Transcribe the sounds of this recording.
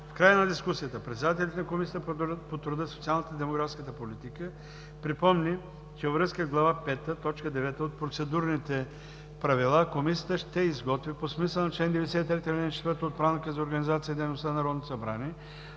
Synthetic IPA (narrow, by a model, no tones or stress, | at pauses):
fkɾajənɐd̪iskusijət̪əpɾɛt̪sɛd̪ait̪ɛlʲit̪ɛnɐkomisʲijət̪əpot̪ɾʊd̪əsot̪ialˠnət̪əid̪ɛmoɡɾafskət̪əpolit̪ikə | pɾipɔmni | t͡ʃɛvɐvɾɤskəzɡlˠɐvapɛt̪ət̪ɔt͡ʃkəd̪ɛvɛt̪əot̪̚pɾot̪sɛd̪uɾnit̪ɛ | pɾɐvilˠakomisʲijət̪əʃt̪ɛizɡɔt̪viposmisəlˠnɐt͡ʃlɛnd̪ɛvɛd̪ɛsɛit̪ɾɛt̪əlʲint͡ʃɛt̪vəɾt̪oot̪̚pɾanikəzɐoɾɡɐnizat̪siəid̪ɛjnost̪ənɐɾɔd̪not̪osɐbɾaniɛ